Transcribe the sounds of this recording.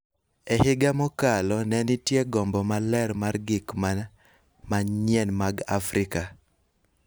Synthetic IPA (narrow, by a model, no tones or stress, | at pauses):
ɛhɪɡamɔkalɔnɛnɪtjeɡɔmbɔmalɛɾmarɡɪkma | maɲɛnmaɡa̰fɾɪka